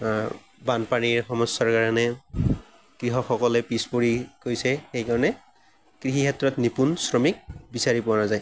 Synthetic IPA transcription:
banpaniɹxɔmɔsɔɹkaɹanɛ | kɹiɦɔxɔkɔlɛpispoɹikojsɛxejkaɹɔnɛ | kɹiɦikɛtɹɔtnipunsɹɔmik̚bisaɹipɔanazaj

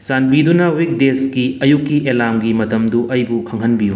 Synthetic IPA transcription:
sanbidunɐwik̚deskiɐjukːiʔelamɡimɐtɐmduʔɐjbukʰɐŋɦɐnbiju

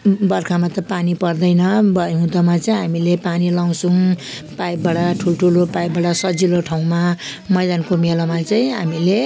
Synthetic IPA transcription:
bʌrkʰamat̪ʌpanipʌrd̪ʌjnʌbʌɦũd̪ʌmat͡saĩɦamilepanilaw̃suŋ | pajb̚bʌɽaʈʰulʈʰulopajbbʌɽasʌd͡ziloʈʰaw̃mamʌjd̪ankomelomat͡saĩɦa̰mile

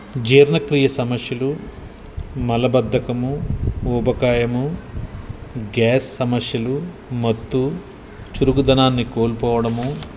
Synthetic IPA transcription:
d͡ʒeːɾnɐkɾiːjɐsɐmɐsjɐlu | mɐlɐbɐd̪ʱːɐkɐmuuːbɐkaːjɐmu | ɡaːsːɐmɐsjɐlu | mɐt̪ːu | t͡ʃuɾuɡud̪ɐnaːnːikoːlpɔːʋɐɽɐmu

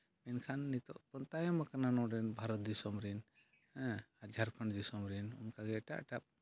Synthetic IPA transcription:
mɛnkʰanːit̪ɔʔpɔnt̪ajamakananɔɖɛnbʱaɾɔt̪̚d̪isɔmɾin | ɛ̃ad͡ʒʱaɾkʰəɳd̪isɔmɾinunkaɡɛʈa̰ʔʈap̚

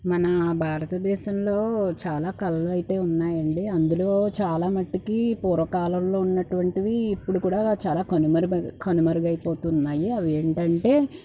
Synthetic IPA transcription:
mɐnɐbʱaːɾɐt̪ɐd̪ɛːʃɐmlo̞ːt͡ʃaːlaːkɐlɐluɐjit̪e̞ːunːaːjɐɳɖiɐnd̪ulo̞ːt͡ʃaːlaːmɐʈːikipuːɾʋɐkaːlɐmlo̞ːunːɐʈuʋɐɳʈiʋiːpːuɽukuːɽaːt͡ʃaːlaːkɐnumɐɾukʰɐnumɐɾuɡɐjipo̞ːt̪unːaːjiɐʋieːɳʈɐɳʈe̞ː

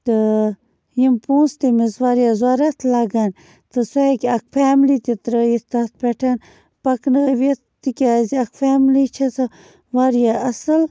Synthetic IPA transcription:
t̪ɨ | jimpũːnst̪imisʋaɾjazwaɾat̪ʰlaɡan | t̪ɨsuhakʲɐk̚fʰaːmlit̪it̪ɾəjit̪at̪̚ʰpʲeʈʰan | pɐknəʋet̪t̪ikʲaziakfaːmlit͡ʃʰɐt͡sʰɐ | ʋaɾjaɐsɨl

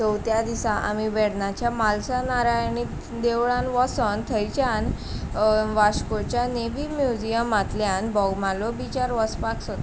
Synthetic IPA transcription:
əwt̪jad̪isaʔa̰miʋeɽɳat͡ɕjamalsanaɾajni | d̪eʋɭanʋɔsənt̪ʰəjt͡ɕjan | ʋaɕkot͡ɕjaneʋimjud͡ʑijəmat̪ljãnbɔɡmalɔbit͡ɕaɾʋəspaksot̪

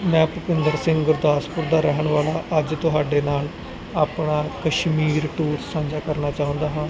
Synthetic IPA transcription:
mɛ̃ːpʊpɪnd̪əɾsɪ̃ŋɡɡʊɾd̪aːspʊɾd̪aːɾɛɦəɳʋaːlaːʔəd͡ʒt̪ʊɦaːɖeːnaːl | aːpɳaːkəʃmiːɾʈuːɾsãːd͡ʒaːkəɾnaːt͡ʃaːɦʊ̃ːnd̪aːɦãː

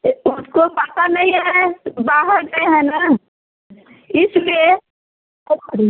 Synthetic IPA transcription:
ʊskopət̪anəɦĩɦɦɛbaːɦəɾt̪eɦɛ̃na | ɪslie | i

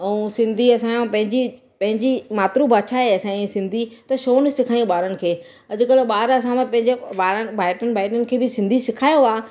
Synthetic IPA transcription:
ɛ̃ũsɪ̃nd̪ʱiɐsãjõpɐ̃ɦɪ̃ɲd͡ʑi | pɐ̃ɦɪ̃ɲd͡ʑimaːt̪ɾubʱaːt͡ɕʰaːɦeɐsãĩsɪ̃nd̪ʱit̪ɐʃoːn̆sɪkʰaːijũɓaːɾənɪ̆kʰeː | ɐd͡ʑʊ̆kɐlɓaːɾɐs̬ãmãpɐ̃ɦɪ̃ɲd͡ʑebaːɾəbʱaːɪʈənɪ̆bʱaːɪʈənɪ̆kʰeːbɪsɪ̃nd̪ʱisɪkʰaːjoaː

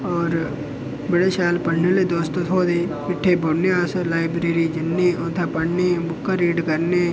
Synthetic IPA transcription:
ɔːɾ | bəɽeʃaːlpɐɽ̤neled̪oːst̪ot̪ʰoːd̪emɪʈʰːebʱoɽneaːslaːɪbɾeːɾid͡ʒɪnːeʔõːt̪ʰapɐɽnebʊkːaɾiːɖkəɾne

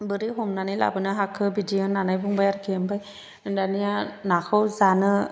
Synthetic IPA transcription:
bɯɾiɦɔmnanɯjla̰bɯnɯɦakʰːɯbidiɔnːanajbuŋbajaɾkʰiɯmbaj | danijanakʰɯwzanɯ

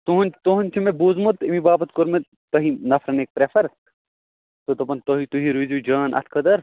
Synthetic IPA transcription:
t̪uɦɐnt̪oɦɐnʲt͡ʃʰimebuːzmut̪imibaːbɐt̪koɾme | t̪ɐɦinɐfʰɾɐnek̚pɾefʰɐɾ | t̪ot̪ɐpɐnt̪oɦit̪uɦiɾuzud͡ʒaːnʔɐ̰t̪ʰkʰɐd̪ɐɾ

